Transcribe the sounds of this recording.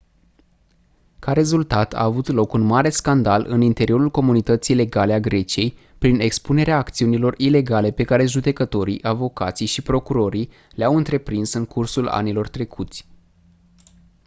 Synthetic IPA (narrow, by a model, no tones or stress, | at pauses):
kaɾe̞zult̪at̪a̰ːvut̪lo̞kunmaɾe̞skand̪alɨ̰nint̪e̞ɾio̞ɾulko̞munit̪ət̪sijle̞ɡaleaɡɾe̞t͡ʃie̞j | pɾine̞kspune̞ɾeaːkt̪siunilo̞rile̞ɡale̞pe̞kaɾe̞ʒud̪e̞kət̪o̞ɾḭʔavo̞kat̪sijʃipɾo̞kuɾo̞ɾi | leawɨnt̪ɾe̞pɾinsɨŋkʰursula̰nilo̞rt̪ɾe̞kʰut̪sʲ